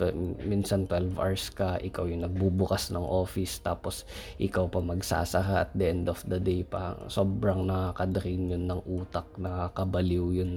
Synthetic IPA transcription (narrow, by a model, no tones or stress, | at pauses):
minsɐnt̪wɛlvʔa̰ɹskɐʔɪkawjʊŋnɐɡ̚bubʊkasnɐŋʔo̞ːfɪst̪aːposʔɪkawpɐmɐɡsa̰ːsɐhaʔɐt̪̚d̪ɐʔɛnd̪ɔfd̪ɐd̪ejpɐ̰soːbɾɐŋnɐkakɐd̪ɐɾinjonːɐŋʔuːt̪ɐk̚nɐkakɐbɐliwjʊn